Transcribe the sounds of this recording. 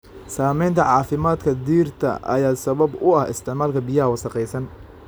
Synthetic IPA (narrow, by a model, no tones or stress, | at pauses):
saːmɛjnt̪ʰɐʕɑːfɪmaːd̪kʰɐd̪iːrt̪ʰɐ̰ʔɐ̰jaːsɐβɐbʊɐhɪ̰st̪ʰɪʕmaːlkʰɐbɪjɐɦɐwɐsɐqɛjsɐn